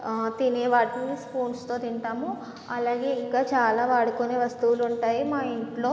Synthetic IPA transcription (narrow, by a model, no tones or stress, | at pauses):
t̪ineːʋaːʈinispuːnst̪oːt̪iɳʈaːmu | ɐlaːɡe̞ːiŋkaːt͡ʃaːlaːʋaːɽukoneːʋɐst̪uʋuluɳʈaːjimaːiɳʈlo̞ː